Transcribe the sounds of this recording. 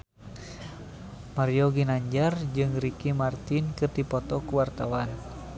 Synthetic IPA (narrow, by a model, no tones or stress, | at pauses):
maɾiɔɡinaɲd͡ʒard͡ʒɨŋrikimart̪inkɨrd̪ipɔt̪ɔkuwart̪awan